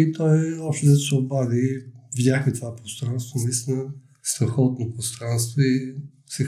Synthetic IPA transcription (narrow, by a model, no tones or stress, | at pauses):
it̪ɔɛɔpʃt̪ɛd̪ɐsɛobad̪ivdʲaxət̪ovapɾost̪ɾanst̪vənɐist̪inə | st̪ɾɐxɔt̪̚nopɾost̪ɾanst̪voi | sɛ